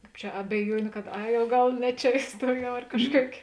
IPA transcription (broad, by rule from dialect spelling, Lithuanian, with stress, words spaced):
ˈkɑːp t͡ʃʲɛ ɐbʲɛˈjuɔnʲʊ kɐt ˈɐɪ oː ˈɡɐlˠ ˈnʲɛ ˌt͡ʃʲɛ ɪˈstuɔjɛʊ ɐr ˈkɑːʃˌkuɔkʲ